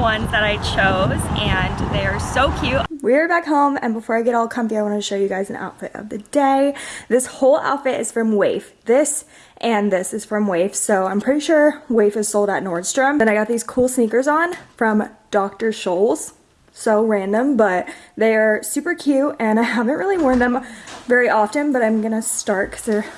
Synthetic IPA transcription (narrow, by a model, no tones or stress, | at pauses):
wʌ̃nzðɨɾaɪt͡ʃʰoʊzɨ̃nðeɪə˞soʊkʰj̥ʉwiə˞bækɦõʊ̃mɨ̰̃nbəfɔɹaɪɡɛɾɔlˠkʰʌ̃nθiaɪwɑ̃nɨʃoʊjɨɡaɪzɨ̃n̩a̰ʊtfɪ̰ɾʌ̰vðɨdeɪðɪshoʊlˠa̰ʊtfɪɾɨz̥fɹʌ̃mweɪfðɪs | ʔɨ̃nðɪsɨz̥fɹʌ̃mweɪfsoʊãɪ̃pʰɹ̥ɪɾiʃʊɹweɪfɨz̥soʊlˠdə̰tⁿnɔɹð̥stɹ̥ʌ̃mɨ̃naɪɡɑt̪̚ðiz̥kʰulˠsnikə˞zn̩fɹʌ̃md̥ɑk̚tə˞ʃoʊlˠz̥ | soʊɹæ̃ndə̃mbʌt̪̚ðeɪə˞sʉpə˞kʰj̥ʉtɨ̃naɪɦævɨ̃nʔɹɪlˠiwɔ̃˞nðɨ̃mvɛɹiʔɑfɨ̃nbʌɾãɪ̃mɡʌñɨstɑɹt̚kʰʌ̥z̥ðə˞